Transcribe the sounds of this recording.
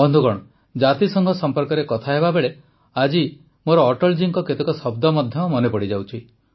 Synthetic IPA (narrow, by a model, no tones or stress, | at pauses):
ɔnd̪ʱuɡɔɽ̃ɔ | d͡ʒat̪isɔŋɡʱɔsɔmpɔɾkɔɾekɔt̪ʰaɦebabeɭe | ad͡ʒi | moɾɔːʈɔld͡ʒiŋkɔket̪ekɔsɔbd̪ɔmɔd̪ʱjɔmɔnepɔɽid͡ʒawt͡ʃʰi